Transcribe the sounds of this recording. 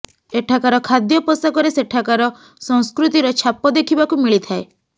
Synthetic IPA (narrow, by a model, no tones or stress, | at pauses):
eʈʰakaɾɔkʰad̪jɔpɔsɔkɔɾeseʈʰakaɾɔ | sɔ̃w̃skɾut̪iɾɔt͡ʃʰapɔd̪ekʰibakumiɭit̪ʰae